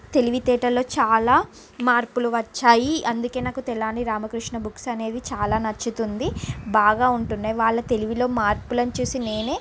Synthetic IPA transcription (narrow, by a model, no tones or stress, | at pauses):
t̪e̞liʋit̪ɛːʈɐlo̞ːt͡ʃaːlaː | maːɾpuluʋɐt͡ʃːaːjiɐnd̪uke̞ːnaːkut̪ɛɭaːniɾaːmɐkɾuʂɳɐbuksɐne̞ːd̪it͡ʃaːlaːnɐt͡ʃːit̪und̪ibaːɡaːuɳʈunːaːjiʋaːɭːɐt̪e̞liʋilo̞ːmaːɾpulɐnt͡ʃuːsine̞ːneː